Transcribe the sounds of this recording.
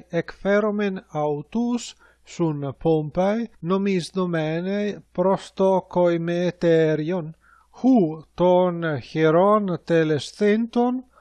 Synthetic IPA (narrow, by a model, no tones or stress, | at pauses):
ekfeɾomenawt̪usː | unpompajnomisd̪omɛnejpɾost̪okojmet̪ɛɾjon | hut̪onheɾɔnt̪elest̪ent̪on